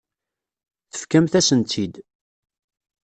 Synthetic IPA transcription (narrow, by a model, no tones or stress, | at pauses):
θə̥fkæmθæsənt̪ʰid̪